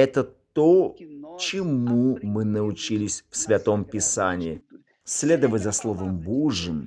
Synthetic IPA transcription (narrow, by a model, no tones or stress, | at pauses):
ɛt̪ət̪ot͡ɕɪmumɨnəʊt͡ɕilʲɪsʲfsʲvʲɐt̪o̞mpʲɪsanʲɪː | sʲlʲe̞d̪əvətʲzɐslˠovəmbuʐɨm